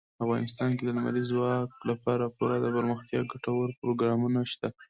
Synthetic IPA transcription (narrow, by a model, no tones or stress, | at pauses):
afɣɑnɪst̪ɑnked̪ənama̰lizwɑklapɑɾapuɾad̪əbəɾməxt̪jɑɡaʈawaɾpɾoɡɾɑmunaʃt̪a